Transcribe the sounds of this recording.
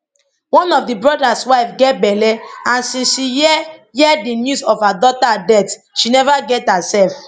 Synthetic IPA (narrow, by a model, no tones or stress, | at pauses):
wɔ̃nɔfdibɹɔdaswaɪfɡɛt̚bɛlɛãnsĩnʃijɛjɛdinjuzɔvhadɔtadɛt | ʃinɛvaɡɛthasɛlf